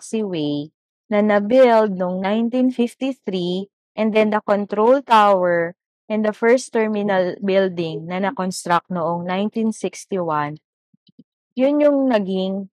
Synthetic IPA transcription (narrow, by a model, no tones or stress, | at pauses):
ksiwej | nɐnɐbɪld̪̚noŋnajnt̪infift̪iθɾi | ʔɛ̃nd̪ɛnd̪ɐkont̪ɾowlt̪awɛɹ | ʔɛ̃nd̪ɐfɛɹst̪ːɛɹmɪnɐlbɪld̪ɪŋnɐnɐkonst̪ɾak̚t̪̚noʔoŋnajnt̪insɪkst̪iwan | jʊnjʊŋnɐɡɪŋ